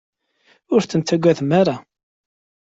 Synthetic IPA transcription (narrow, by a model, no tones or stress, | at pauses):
ʊɾθənt̪æɡʷːæθmaɾa